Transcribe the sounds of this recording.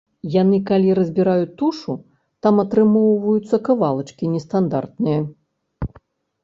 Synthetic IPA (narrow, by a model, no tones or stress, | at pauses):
janɨkalʲiɾɐzʲbʲiɾajut̪ːuʂu | t̪amɐt̪ɾɨmɔwvɐjut̪sːɐkavalˠɐt͡ʂkʲinʲɛst̪and̪art̪̚nɨjɐ